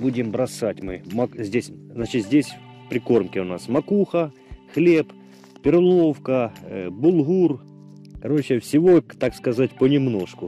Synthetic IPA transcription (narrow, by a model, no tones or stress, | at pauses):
budʲɪmbɾɐsatʲmɨmɐzʲdʲesʲznat͡ɕɪt̪zʲdʲesʲ | pɾʲɪko̞rmkʲɪʊnasmɐkuxɐ | xlʲep | pʲɪrlˠo̞wkɐbʊlˠɦur | kɐɾo̞t͡ɕɪfsʲɪʋo̞t̪akskɐzatʲpənʲɪmno̞ʂkʊ